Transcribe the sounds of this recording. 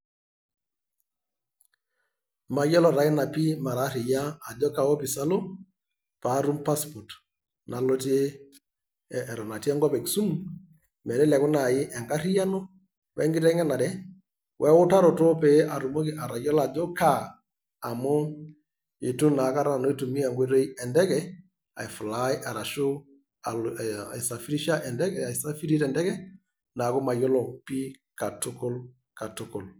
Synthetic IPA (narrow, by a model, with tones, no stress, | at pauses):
ma˨˦jɔ˦lɔ˨ɾa˨ɪ˦na˨pi˦ma˨ɾa˨˦ɾɪ˨jaː˦˨d͡ʒɔ˦ka˨wo˦pi˨sa˦lo˦ | pa˨˦ɾu˦mpa˦spɔ˨t | na˨lo˦te˦˨ | ɾɔ˨na˨tɛ˦ŋɡɔ˦pɛ˨ksu˦m | mɛ˨ɾɛ˦lɛ˨kʊ˦na˨jɪ˦ʔɛ˨ŋɡa˦ɾi˦ja˦no˦ | wɛ̰˦ŋɡɪ˦tɛ˦ŋɛ˦na˨ɾɛ˦ | wʔɛ˦ʊ˦ta˦ɾɔ˨tɔ˦pɛ˨˦ʔa˨ɾu˨mo˦ki˦ʔa˨ɾa˨jɔ˦la˨d͡ʒɔ˦ka˦ | a˨mʊ˦ | ɪ˨tu˦na˨ka˦ɾa˦a˨no˦i˦tu˨mi˦a˨ŋɡʷe˦ɾe˦i˦ɛ˨ndɛ˦kɛ˨ | a̰˨ɪ˨fʊ˨la˦ɪ˦ʔa˨ɾa˨ʃu˦ | a˨i˨sa˨fi˦ɾi˦ʃa˦ʔɛ˨ndɛ˦kɛ˨a˨i˨sa˦fi˦ɾi˦tɛ˨ndɛ˦kɛ˦ | na˨kʊ˦ma˨jɔ˦lɔ˨pi˦ | ka˨tʊ˦kɔ˦l | ka˨tʊ˦kɔ˨l